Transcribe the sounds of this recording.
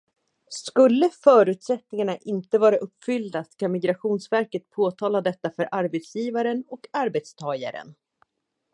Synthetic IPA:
skɵlːəfœːɾʉ̟ːt̪sɛt̪nɪŋaɳaʔɪnt̪əvɑːɾaʔɵpːfʏld̪at̪kʰanmɪɡɾaɧuːnsvæɾkət̪pʰoːt̪ʰɑːlad̪ɛt̪ːafœɾʔaɾbɛt̪sjiːvaɾənɔkaɾbɛt̪st̪ʰɑːja̰ɾə̰n

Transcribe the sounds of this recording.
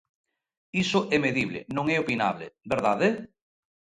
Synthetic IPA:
isoʔemeðiβlḛnõŋɛopina̰βlḛbeɾðaðe

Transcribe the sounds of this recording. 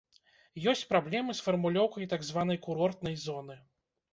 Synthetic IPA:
jɔsʲt͡sʲpɾablʲɛmɨsfɐrmulʲɔwkɐjt̪aɡzvan̪ɐjkuɾɔrt̪̚nɐjzɔnɨ

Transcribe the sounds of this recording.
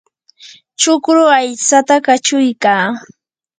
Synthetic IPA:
t͡ʃʊkɾʊajt͡sat̪akat͡ʃʊjkaː

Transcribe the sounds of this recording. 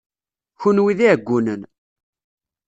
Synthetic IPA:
çunwiðiɡʷːunən

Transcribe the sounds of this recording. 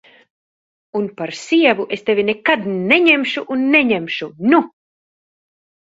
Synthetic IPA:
unpaɾsiɛvuʔest̪evinekad̪neɲemʃuʔunːeɲemʃunu

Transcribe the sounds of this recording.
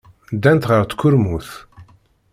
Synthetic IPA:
d̪ːænt̪ʁəɾt̪kʰːʊɾmuθ

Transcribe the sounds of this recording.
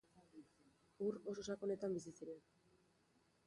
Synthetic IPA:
uro̞sosako̞ne̞t̪ambis̬isiɾe̞n

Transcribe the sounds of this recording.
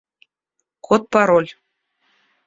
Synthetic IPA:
kʰot̪̚pɑɾolʲ

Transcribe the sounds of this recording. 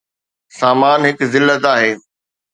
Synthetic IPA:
saːmaːnɦɪkzɪlːət̪aːɦeː

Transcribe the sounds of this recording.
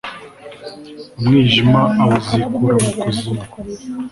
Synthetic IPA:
umŋiːʒimaʔawuzikuɾamukozi

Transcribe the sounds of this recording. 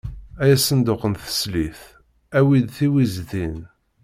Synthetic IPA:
æjæsənd̪ʊqːənθə̥sliθ | æwid̪θiwizðin

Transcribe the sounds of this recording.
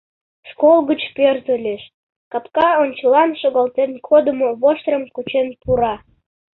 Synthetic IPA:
ʃkolɣət͡ɕperzəlʲeʃ | kɑpkɑonʲt͡ɕəlɑnʃoɣɑlt̪enkʰod̪əmoβoʃt̪rəmkut͡ɕenpuɾɑ

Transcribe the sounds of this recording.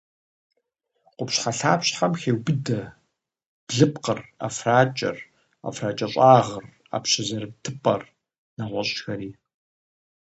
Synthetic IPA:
qʷʊpɕħaɬaːpɕħamxeːwbɨdɐ | b̥ɮɨpqəra̰fraːt͡ʃʼɐ̰r | a̰fraːt͡ʃʼɐɕʼaːʁər | a̰ːpɕɐzɐɾɨm̚tʰɨpʼɐr | naʁʷɔɕʼxɐɾiː

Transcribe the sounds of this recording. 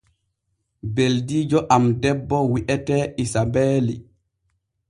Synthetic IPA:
beldiːd͡ʒɔʔamdɛbːɔwiʔɛtɛʔisabɛːli

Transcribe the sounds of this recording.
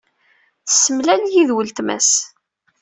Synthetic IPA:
θə̥sːəmlæljiðwəlt̪mæ̰s

